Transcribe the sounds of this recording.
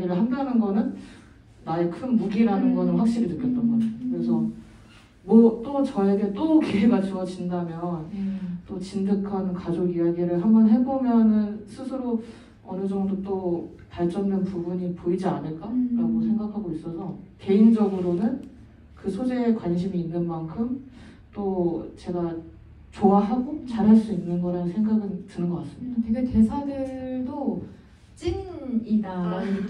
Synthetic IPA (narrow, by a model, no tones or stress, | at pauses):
ɡiɾɯɭɦandanɯnɡʌnɯnː | ae̞kʰɯnmuɡiɾanɯnɡʌnɯnwak̚ɕ͈iɾinɯk͈ʌt͈ʌnɡʌd͡ʑejokɯɾe̞sʰʌ | mwʌt͈ot͡ɕʌe̞ɡe̞t͈okeweɡat͡ɕʌʌt͡ɕindamjʌnt͈ot͡ɕindɯkʰankad͡ʑoɡijaɡiɾɯɭɦambʌnɦe̞bomjʌnɯnsʰɯsʰɯɾo | ʌnɯd͡ʑʌŋdot͈o | paɭt͡ɕ͈ʌndenpubuɲipoid͡ʑianɯɭk͈aɾaɡosʰe̞ŋɡak̚ʰaɡois͈ʌsʰʌke̞ind͡ʑʌɡɯɾonɯn | kɯsʰod͡ʑeːkwanɕ̬ʰimiːnːɯnmankʰɯm | t͈ot͡ɕe̞ɡa | t͡ɕowaɦaɡot͡ɕaɾɦaɭs͈uinːɯnɡʌɾanɯnsʰe̞ŋɡaɡɯntɯnɯnɡʌk͈as͈ɯmidate̞ɡe̞te̞sʰadɯɭdo | t͡ɕ͈inida